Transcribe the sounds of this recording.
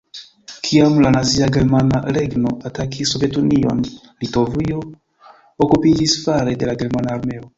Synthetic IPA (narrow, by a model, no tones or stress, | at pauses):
kʰiamlanaziaɡe̞ɾmanaɾe̞ɡno̞ʔatakʰisove̞tunio̞̰n | lito̞vio̞ | okupid͡ʒisfaɾe̞de̞laɡe̞ɾmanaːɾme̞o̞